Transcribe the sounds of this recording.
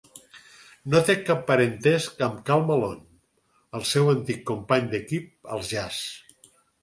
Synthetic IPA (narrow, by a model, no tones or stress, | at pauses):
not̪ekːapːəɾənt̪ɛskəmkalˠməlon | əlˠsɛwənt̪ikːumpaɲd̪əkip̚ə̰lˠʒas